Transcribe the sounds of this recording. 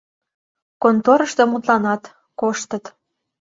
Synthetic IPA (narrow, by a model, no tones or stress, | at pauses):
kont̪oɾəʃt̪omut̪lɑnɑt̪ | koʃt̪ət̪